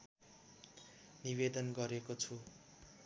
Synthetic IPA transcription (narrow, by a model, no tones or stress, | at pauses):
niβed̪ʌnɡʌɾekot͡sʰu